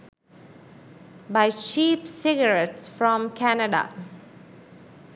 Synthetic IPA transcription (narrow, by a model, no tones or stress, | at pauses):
baɪt͡ʃiːpsɪɡəɾɛʈsfɾɔ̃mkʰænəɖa̰